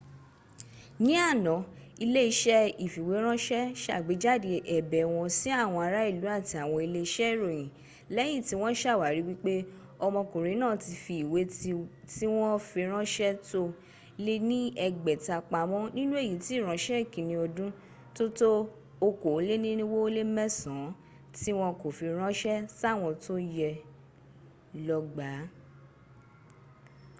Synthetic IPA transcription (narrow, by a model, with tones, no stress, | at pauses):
nĩ˦a˦˨nɔ̃˨˦ | i˧le˦i˧˦ʃɛ˦i˦˨fi˨we˨˦ɾ̃ã˦ʃɛ˦ʃa̰˦˨ɡ͡be˨˦d͡ʒa˦˨de˧ʔɛ˨bɛ˨w̃ɔ̃˧si˦a˦˨w̃ɔ̃˧a˧ɾa˦i˦˨lu˨˦a˦˨ti˧a˨w̃ɔ̃˧i˧le˦i˦ʃɛ˦˨ɾo˨j̃ĩ˨ | lɛ˦j̃ĩ˦˨ti˨˦w̃ɔ̃˦ʃa˦˨wa˨ɾi˨˦wi˦k͡pe˦ | ɔ˧mɔ̃˧kũ˨ɾe˨˦nãː˦˨ti˧fi˨we˨˦˧ti˦w̃ɔ̃˦fi˧ɾ̃ã˦ʃɛ˦to˦ | le˦nĩ˦ɛ˧ɡ͡bɛ˨ta˧k͡pa˧mɔ̃˦nĩ˦nũ˦e˦˨ji˨˦ti˨˦˨ɾ̃ã˨˦ʃɛ˦˨kĩ˨nĩ˧ɔ˧dũ˦ | to˦to˦ | o˧ko˨˦le˦nĩ˦nĩ˦wo˦o˦le˦mɛ̃˦sã˨˦ | ti˦w̃ɔ̃˦ko˨fi˧ɾ̃ã˦ʃɛ˦sa˦˨w̃ɔ̃˧to˦jɛ˧ | lɔ˧ɡ͡ba˨˦